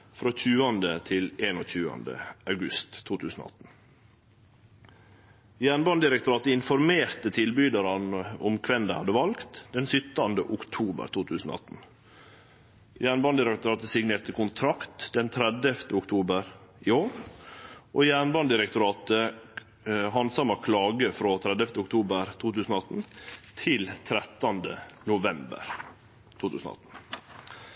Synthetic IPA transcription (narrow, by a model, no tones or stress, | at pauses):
fɾoːc͡çʉːɑnd̪ət̪ʰɪleːnoːc͡çʉːɑ̰nd̪ə̰ʔɑʉɡʉst̪ʰːuːt̪ʰʉːsn̩o̰ɑt̪n̩ | jæːɳbɑnd̪ɪɾɛkt̪ʊɾɑːt̪əɪnfɔɾmeːɾt̪ət̪ʰɪlbyːd̪əɾɑnʊmkʰʋɛnd̪æhɑd̪ːəʋɑlkt̪d̪ɛnsʏt̪ːɑnd̪əʔʊkt̪ʰuːbə̰ɾt̪ʰuːt̪ʰʉːsn̩o̰ɑt̪n̩ | jæːɳbɑnd̪ɪɾɛkt̪ʊɾɑːt̪əsɪɡneːt̪əkʊnt̪ʰɾɑkt̪d̪ɛnt̪ʰɾɛd̪ɛft̪əʊkt̪ʰuːbəɾɪoːɾ | ʔoːjæːɳbɑnd̪ɪɾɛk̚t̪ʊɾɑːt̪ə | ɦɑnsɑmɑkʰlɑːɡəfɾoːt̪ʰɾɛd̪ɛft̪əʊk̚t̪ʰuːbəɾt̪ʰuːt̪ʉːsn̩oɑt̪n̩t̪ʰɪlt̪ʰɾɛt̪ːɑnd̪ənʊʋɛmbə̰ɾ | t̪ʰuːt̪ʉ̰ːsnɔ̰ɑ̰t̪n̩